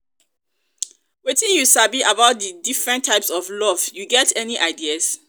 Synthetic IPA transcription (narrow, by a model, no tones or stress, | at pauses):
wetĩnjusabiʔabaʊt̚dədifɹɛ̃ntʰːaɪpsɔvlɔvjuɡɛtʰɛniʔaɪdiəs